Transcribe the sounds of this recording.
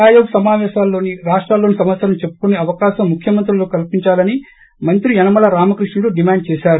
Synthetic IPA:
aːjoːɡsɐmaːʋɛːʃaːlːo̞ːniɾaːʂʈɾaːlːoːnisɐmɐssɐɾɐmt͡ʃe̞pːu̥kuneɐʋɐkaːʃɐmːukʰjɐmɐnt̪ɾuloːkɐlpiɲt͡ʃaːlɐni | mɐnt̪ɾiɐnɐmɐlɐɾaːmɐkɾiʂɳuloɖimaːɳɖ̚t͡ʃɛːʃaːɾu

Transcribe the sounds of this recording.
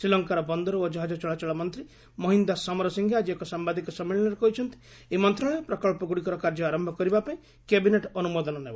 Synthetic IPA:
sɾilɔŋkaɾɔbɔnd̪ɔɾɔod͡ʒɔɦad͡ʒɔt͡ʃɔɭat͡ʃɔɭamɔnt̪ɾi | mɔɦind̪asɔmɔɾɔsiŋɡʰʱead͡ʒiekɔsambad̪ʱikɔsɔmːilɔñɔɾekɔɦit͡ʃʰɔnt̪i̥ | emɔnt̪ɾɔɭ̃epɾɔkɔɭpɔɡuɽikɔɾɔkaɾd͡ʒɔaɾɔmbʱɔkɔɾibapaẽ | kebineʈɔnumod̪ɔnɔnebɔ

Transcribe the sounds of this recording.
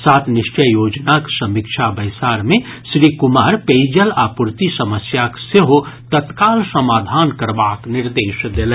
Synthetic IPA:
saːt̪ʰnɪʃt͡ʃəjoːd͡ʒnaksɐmikʃʰabəɪsaːɾmẽsɾikʊmaːɾpeːd͡ʒəlaːpuɾt̪isɐməsjakseɦot̪ət̪kaːlsɐmaːd̪ʱaːnkɐɾbaːknɪɾd̪eːʃd̪elɛ̃

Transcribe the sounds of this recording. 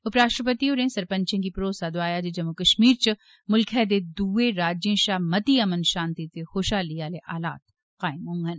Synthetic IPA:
ʊpɾaːʃɾəpət̪ioːɾẽːsɐɾpɐ̃ɲt͡ʃẽk̬ipɾoːsad̪oaːjad͡ʒed͡ʒɐmukɐʃmiːɾt͡ʃɐ | mʊlkʰɛːd̪ed̪uːeɾaːd͡ʒjẽʃaːmɐt̪iɐmənʃãːnt̪it̪exoːʃaːliaːleʔaːla̰ːt̪̚ | qaːɪmɦõŋɡɐn

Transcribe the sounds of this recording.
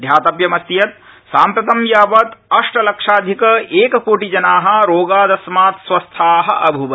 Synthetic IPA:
d̪ʱjaːt̪ɐpjɐmɐst̪jɐt̪̚ | saːmpɾɐt̪ɐmjaːʋɐt̪ɐʂʈɐlɐkʂaːd̪ʱikɐeːkɐkoːʈid͡ʒɐnaːɦɐ̆ɾoːɡaːd̪ɐsmaːt̪sʋɐst̪ʰaːɦɐ̆ʔɐbʱuʋɐ

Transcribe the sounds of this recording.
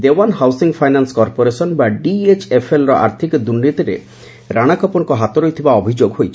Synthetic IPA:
d̪ewanɦawsiŋpʰajnanskɔɾpoɾesɔnbaɖiet͡ʃʰepʰelɾɔʔa̰ɾt̪ʰikɔd̪uɾnit̪iɾḛ | ɾaɽ̃akɔpɔɽɔkɔɦat̪ɔɾojt̪ʰibaɔbʱid͡ʒoɡɦojt͡ʃʰ

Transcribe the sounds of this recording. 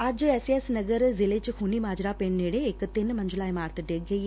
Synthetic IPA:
ad͡ʒɛːsiesnɐɡəɾzɪlet͡ʃxunimaːd͡ʒɾapeːɳneːɽeːkt̪ɪnmɐ̃ɲd͡ʒʊlaːimaːɾt̪ʰɖeːɡɡɐi

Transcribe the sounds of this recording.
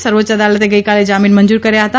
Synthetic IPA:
sɐɾʋotːt͡ʃɐd̪aːlət̪eɡɐikaːled͡ʒaːmiːnmɐ̃nd͡ʒuːɾkɐɾjaɦɐt̪a

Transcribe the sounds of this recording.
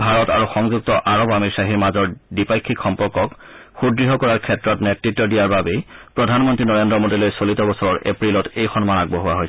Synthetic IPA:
bʱaɹɔta̰ɹuxɔŋzuk̚tɔʔaɹɔbamiɹsaɦiɹmazɔɹdipajkʰːikxɔmpɔɹkɔk | xudɹiɦɔkɔɹaɹkʰɛtːɹɔtnɛtɹitːɔdijaɹbabepɹɔdʱanmɔntɹinɔɹendɹɔmodilojsolitɔbɔsɔɹɔɹʔḛpɹilɔtejxɔnmanaɡ̚bɔɦʊwaɦoj

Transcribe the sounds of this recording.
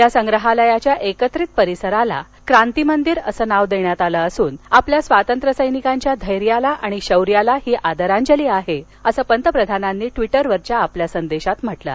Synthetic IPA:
jasəŋɡɾəɦaləjat͡ɕjaʔekət̪ɾiːt̪̚pəɾisəɾala̰ | kɾant̪imənd̪iːɾəsəːnaʋd̪eɳjat̪aləəsuːnapljasʋat̪ənt̪ɾəsəjnikaɲt͡ɕjad̪ʱəjɾijalaʔaɽ̃iɕəwɾjalahiːʔad̪əɾaɲd͡ʑəliːaɦe | əsəːpənt̪əpɾəd̪ʱananːiːʈʋiʈəɾʋəɾt͡ɕjaːpljasənd̪eɕat̪m̤əʈla̰

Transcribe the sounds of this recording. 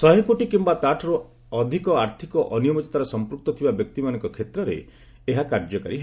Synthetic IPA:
sɔɦekoʈikimbat̪aʈʰɔɾu | ɔd̪ʱikɔaɾt̪ʰikɔʔɔnijɔbɔt͡ʃet̪aɾɔsɔmpɾuk̚t̪ɔt̪ʰibabjɔk̚t̪imanɔ̃ŋkɔkʰet̪ɾɔɾḛ | eɦakaɾd͡ʒɔka̰ɾi

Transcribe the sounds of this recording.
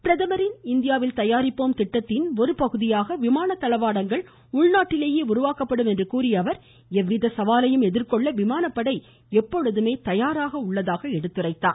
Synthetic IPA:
pɪɾɐðɐmɐɾɪnɪnd̪ɪjaːʋɪlt̪ɐjaːɾɪpːoːmt̪ɪʈːɐt̪ːɪnɔɾɯpɐɣɯðɪjaːɣɐʋɪmaːnɐt̪ːɐlɐʋaːɽɐŋɡɐɭ | ʊɭnaːʈːɪleːjeːʊɾʊʋaːkɐpːɐɽɯmɛndrɯkuːɾɪjɐʋɐɾ | ɛʋːɪðɐsɐʋaːlɐjɯmɛðɪrkɔɭːɐʋɪmaːnɐpːɐɽɐɪ | ɛpːɔɻɯðɯmeːt̪ɐjaːɾaːɣɐʊɭːɐðaːɣɐɛɽɯt̪ːɪrɐɪt̪ːa̰ː

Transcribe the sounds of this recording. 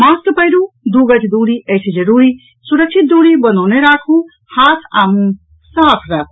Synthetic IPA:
maːst̪pəjɾud̪uɡɐtʰd̪uɽiesed͡ʒɐɾuːɾi | suɾək̚sʰit̪̚d̪uɽibənawneɾaːkʰũ | haːt̪ʰa̰ːmũ | saɦpʰɾakʰ

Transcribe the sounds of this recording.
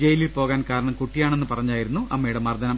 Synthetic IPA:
d͡ʑejililpo̞ːɣaːnkaːɾɐɳɐmkuʈːijaːɳe̞nːɨpɐrɐɲːaːjiɾunːuɐmːɐjiɽe̞mɐrd̪ɐnɐm

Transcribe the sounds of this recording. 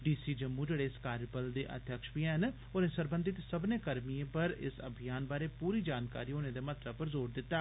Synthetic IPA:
ɖiːsiːd͡ʒəmũd͡ʒeɽeːɪskaːɾəpəld̪eːʔə̰d̪ʱjəkʃbiɛn | oːnẽːsəɾbə̃nd̪ɪt̪səbneːkəɾmijeːpəɾɪ̰sə̰bʱijaːnbaːɾeːpuːɾiːd͡ʒaːnka̰ːɾiːoːneːd̪eːmət̪ɾəb̚pəɾzoːɾd̪ɪt̪ːaː

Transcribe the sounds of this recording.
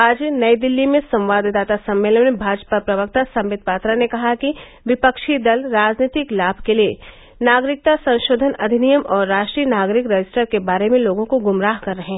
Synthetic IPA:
aːd͡ʒnɐid̪ɪlːimẽsɐ̃mʋaːd̪d̪aːt̪asɐ̃mːeːlənbʱaːd͡ʒpəpɾɐʋək̚t̪asɐ̃mːɪd̪̚paːt̪ɾanekɐɦaki | ʋɪpəkʃid̪ɐlɾaːd͡ʒniːt̪ɪklaːbʱkelie | naːɡɾɪk̚t̪asɐ̃nʃoːd̪ʱənɐd̪ʱɪnijəmɔːɾːaːʃʈɾiːənaːɡɾɪkɾɐd͡ʒɪsʈəɾkebaːɾemẽloːɡõkoɡʊmɾaːɦkɐɾːɐɦẽ

